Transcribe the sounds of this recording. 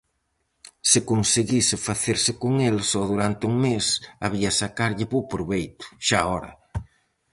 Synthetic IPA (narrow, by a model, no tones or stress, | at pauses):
sɪkonseɣisɪfaθeɾsɪkoŋelsɔðuɾant̪ɪuŋmesaβiasakaɾʎɪpowpɾuβejt̪ʊ̥ʃaɔɾɐ̰